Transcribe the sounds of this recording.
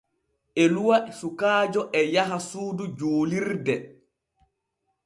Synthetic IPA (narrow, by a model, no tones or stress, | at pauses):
ʔɛluwasukaːd͡ʒɔʔɛjaɦasuːdud͡ʒoːliɾdɛ